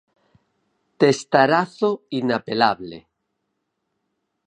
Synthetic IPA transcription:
t̪est̪aɾaθoinapelaβlḛ

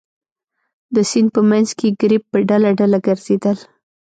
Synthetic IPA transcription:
d̪əsind̪̚pəmanzkeɡɾip̚ːəɖalaɖalaɡəɾz̥ed̪əl

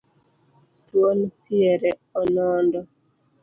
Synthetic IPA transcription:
twonpiɛɾɛɔnɔndɔ

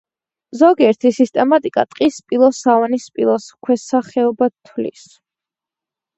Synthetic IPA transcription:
zɔɡiɛɾt̪ʰisist̪ʼɛmat̪ʼikʼa̰t̪ʼqʼispʼilˠɔsavanispʼilˠɔskʰwɛsaχɛɔbat̪ʰwlḭs

